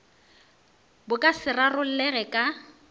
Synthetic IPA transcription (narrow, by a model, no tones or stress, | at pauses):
bʊkʼasɪrarʊl̩lɛɣɛkʼa